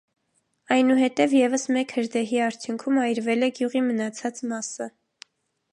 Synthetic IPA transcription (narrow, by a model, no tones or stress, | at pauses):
ɑjnuɦɛt̪ɛvjɛvəsmɛkhəɾd̪ɛɦiɑɾt͡sʰjuŋkʰumɑjɾvɛlɛɡjuʁimənɑt͡sʰɑt͡smɑsə